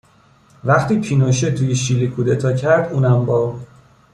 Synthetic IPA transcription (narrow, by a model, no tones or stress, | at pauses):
væχt̪ʰiːpʰiːnoʃet̪ʰuːjeʃilikʰuːd̪et̪ʰɒːcʰæɾd̪uːnæmbɒː